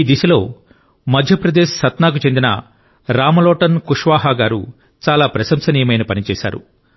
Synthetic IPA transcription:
iːd̪iʃɐlo̞ː | mɐd̪ʱjɐpɾɐd̪eːʃsɐt̪naːk̬ut͡ʃend̪inɐ̰ | ɾaːmɐlɔːʈɐnkuʂʋaːɦaːɡaːɾṵ | t͡ʃaːlaːpɾɐʃɐmsɐniːjɐmɐjnɐpɐnit͡ʃɛːʃa̰ːɾṵ

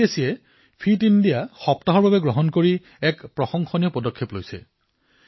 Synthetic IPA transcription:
esiɛ | pʰitindijaxɔptaɦɔɹbabɛɡɹɔɦɔnkoɹi | ɛkpɹɔxɔŋxɔnijɔpɔdɔkʰːeplojsɛ̰

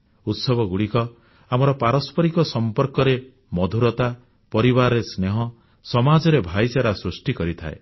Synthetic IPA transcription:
ut̪sɔbɔɡuɽikɔ | amɔɾɔpaɾɔspʰɔɾikɔsɔmpɔɾkɔɾe | mɔd̪ʱuɾɔt̪a | pɔɾibaɾɔesneɦɔ | sɔmad͡ʒɔɾebʱajsaɾasɾusʈikɔɾit̪ʰa̰e

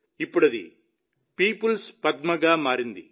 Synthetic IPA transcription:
ipːuɽɐd̪ḭ | piːpulspɐd̪̚mɐɡaːmaːɾind̪ḭ

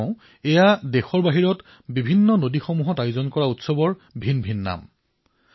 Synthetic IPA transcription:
ɛjadexɔɹbaɦiɹɔt | bibʱinːɔnodixomuɦɔtajʊzɔnkɔɹautsɔbɔɹbʱinbʱinːa̰m

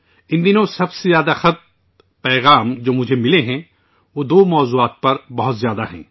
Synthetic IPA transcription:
ɪ̃nd̪ɪnõsɐbsezjaːd̪axɐt̪̚ | pɛːɣaːmd͡ʒoːmʊd͡ʒʱemɪleɦɛ̃ | ʋoːd̪oːmɔːzuaːt̪̚pɐɾbɐɦʊt̪zjaːd̪aɦɛ̰̃ː

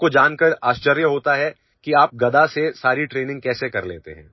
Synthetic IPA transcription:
kod͡ʒaːnkəɾaːʃt͡ʃəɾjəɦoːt̪aɦɛ | kiaːp̚ɡɐd̪asesaːɾiʈɾeːnɪ̃ŋɡ̚kɛːsekɐɾleːt̪ḛɦɛ̰̃ː

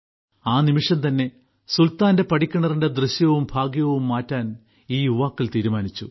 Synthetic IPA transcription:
aːnimiʂɐnt̪ɐnːe̞ | sult̪aːnde̞pɐʈikʲːɐɳɐrinde̞d̪rɨɕjɐʋumbʱaːɡjɐʋumːaːtːaːn | iːjuʋaːkːilt̪iːɾumaːnit͡ɕːṵ

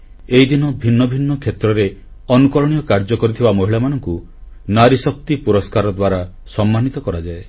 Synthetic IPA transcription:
eɦid̪inɔbʱinːɔbʱinːɔkʰet̪ɾɔɾe | ɔnukɔɾɔɽ̃ijɔkaɾd͡ʒɔkɔɾit̪ʰibamɔɦiɭamanɔŋku | naɾisɔk̚t̪ipuɾɔskaɾɔd̪waɾa | sɔmːanit̪ɔkɔɾad͡ʒae

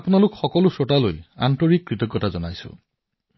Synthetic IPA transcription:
apunalukxɔkɔlusotalo̰ja̰ntɔɹikːɹit̪ɔɡːɔtazɔnajsṵ

